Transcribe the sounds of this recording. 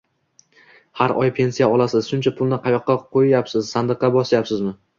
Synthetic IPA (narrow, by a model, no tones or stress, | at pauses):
haɾɒjpʰe̞nsijaɒlˠasɪz̥ʃʊnt͡ʃʰapʰʊlˠnɪqʰɑjɒqːɑqʰojajapsɪzsand̪ɨqːɑbɒsajapsɪzmɪ